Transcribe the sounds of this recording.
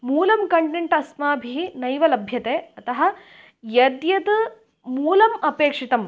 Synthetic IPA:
muːlɐmkɐɳʈeɳʈɐsmaːbʱinɐjʋɐlɐbʱjɐt̪eːɐt̪ɐɦɐ̆ | jɐd̪jɐd̪ɨ | muːlɐmɐpeːkʂit̪ɐm

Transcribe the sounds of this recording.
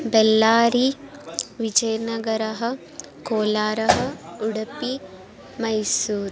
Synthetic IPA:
belːaːɾi | ʋid͡ʒɐjnɐɡɐɾɐɦɐ̆ | koːlaːɾɐɦɐ̆uɽɐpi | mɐjsuːɾ

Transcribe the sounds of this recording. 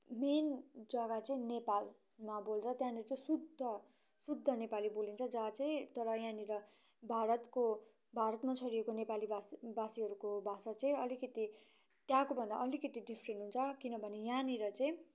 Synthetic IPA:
mend͡zʌɡat͡sʌĩnepal | mabolt͡sʰʌt̪jãnet͡sʌĩsud̪ʱʌ | sud̪ʱːʌnepalibolint͡sʰʌd͡zat͡sʌĩt̪ʌɾʌjãniɾʌ | bʱaɾʌt̪ko | bʱaɾʌt̪mat͡sʰʌɾiekonepalibabasiɦʌɾukobʱasat͡sʌĩʌlikʌt̪i | t̪jãkobʱʌnda̰ʔʌlikʌt̪iɖipʰrenʈɦunt͡sʰʌkinʌbʱʌnejãniɾʌt͡sʌĩ

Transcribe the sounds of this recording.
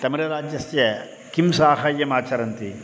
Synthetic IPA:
t̪ɐmiɾɐɾaːd͡ʒjɐsjɐ | kimsaːɦajːɐmaːt͡ʃʰɐɾɐnt̪i

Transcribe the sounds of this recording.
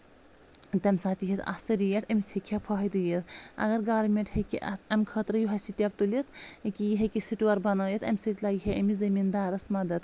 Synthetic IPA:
t̪ɐmsaːt̪iɦet̪ʰɐ̰sɐɾijɐʈɐmisʲhekʲʰɐpʰɐːɦɐjd̪ɨjet̪ɐ̰ɡɐɾɡaːɾmʲeɳʈhekiʔɐ̰ɐmkʰɐːt̪ɾɐjuɦɐsiʈʲɐb̚t̪ulit̪ʰkijɦekisiʈuʋɐɾbɐnɐːjɐt̪ʰɐmʲsɐt̪ʲlaːɡɦeʔɐmizɐmind̪aːɾɐsmɐd̪ɐt̪

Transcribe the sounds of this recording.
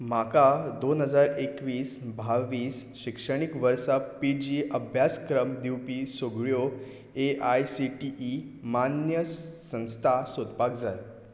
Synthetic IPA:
makad̪onɦəd͡zaɾekʋiːsbʱaʋiːsɕikʂəɽ̃ikʋəɾsapid͡ʑiʔəbʱjaskɾəmd̪iwpisoɡɭjo | eajsiʈiʔːmanjəsə̃w̃st̪ʰasod̪ʱpak̚d͡zaj

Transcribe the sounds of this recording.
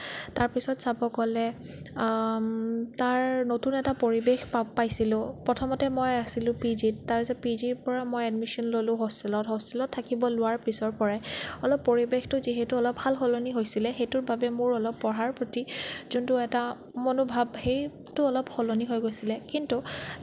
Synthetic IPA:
taɹpisɔtsabɔkɔlɛ | taɹnotunɛtapoɹibexpapːajsilʊ̃pɹɔtʰɔmɔtɛmɔjasilʊ̃pizittaɹpisɔpiziɹpɔɹamojɛdmisɔnlolʊ̃ɦostilɔtɦɔstilɔtʰːakibɔlʊwaɹpisɔɹpɔɹaɔlɔpːoɹibextʊziɦɛtuɔlɔp̚halxɔloniɦojsilɛxejtʊɹbabɛmʊɹɔlɔpːɔɦaɹpɹotizuntʊɛta | monubʱabxej | tʊɔlɔpxɔloniɦojɡojsilɛkintu

